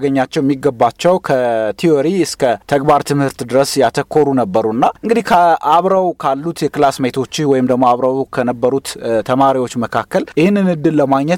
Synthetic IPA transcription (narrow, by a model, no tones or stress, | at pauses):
ɡəɲːat͡ʃːɛwɛmːiɡːəbːat͡ʃːɛwkʰət̪ʰioɾiɨskət̪ʰəɡbaɾt̪ʰɨmhɨɾt̪d̪ɨɾəsjat̪ʰəkʰːo̞ɾunəbːəɾuɨnːaʔɨŋɡɨd̪ihkʰəʔaβɾəwkʰalːut̪jɛkɨlasmejt̪ʰo̞t͡ʃːɪwɔjɪmd̪əɡmoaβɾəwkʰənəbːəɾut̪t̪ʰəmaɾiwo̞t͡ʃːməkʰakːəljɪhɨnːɨnɨd̪ːɨlləmaɡɲːɛt̪